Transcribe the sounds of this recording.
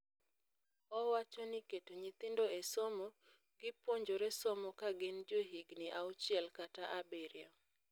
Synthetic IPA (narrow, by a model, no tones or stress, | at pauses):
ɔwat͡ʃɔnɪketoɲit̪ɪndoesɔmɔ | ɡ̥ɪpoɲd͡ʒoɾɛsɔmɔkaɡɪnd͡ʒoɦiɡniʔaut͡ʃɪɛlkataʔabeɾɪɔ